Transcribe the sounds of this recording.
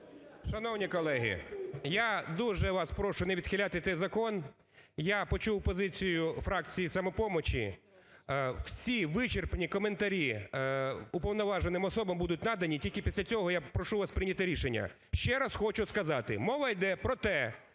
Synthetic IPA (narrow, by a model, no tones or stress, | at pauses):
ʃɐnɔwnʲikɔlˠɛɦʲḭjad̪uʒɛʋɑspɾɔʃʊneʋʲid̪xɪlʲat̪ɪt̪sɛjzɐkɔn | japɔt͡ʃuwpɔzɪt͡sʲijʊfɾɑk̚t͡sʲijisɐmɔpɔmɔt͡ʃʲḭ | wsʲiʋɪt͡ʃerpnʲikɔment̪ɐɾʲi | ʊpɔwnɔʋɑʒenɪmɔsɔbɐmbud̪ʊt̚ʲnɑd̪ɐnʲitʲilʲkɪpʲisʲlʲɐt͡sʲɔɦɔjapɾɔʃuʋaspɾɪnʲɐt̪ɪɾʲiʃenʲːɐ̰ | ʃt͡ʃɛɾɐsxɔt͡ʃʊskɐzɑt̪ɪmɔʋɐjd̪ɛpɾɔt̪ɛ